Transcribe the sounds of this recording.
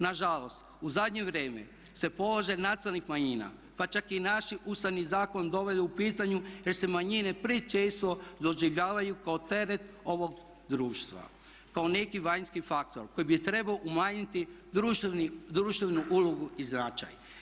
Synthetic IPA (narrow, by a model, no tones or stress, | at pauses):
naʒalo̞st̪ | uzad̪ɲe̞ʋɾe̞ːmḛ | se̞po̞loʒenat̪alnixmaɲina̰ | pat͡ʃakinaʃiʔust̪aʋnizaːko̞nd̪o̞ʋe̞d̪uupiːt̪aɲujeɾse̞maɲine̞pɾit͡ʃeːst̪ʋo̞d̪o̞ʒiʋʎaːʋajukaot̪e̞ɾe̞t̪o̞ʋo̞ɡ | d̪ɾuːʃt̪ʋa̰ | kao̞ne̞kiʋajnskifakt̪o̞ɾko̞jibit̪ɾe̞baoʔumaɲit̪i | ud̪ɾuːʃt̪enuʔuloɡuiznat͡ʃa̰j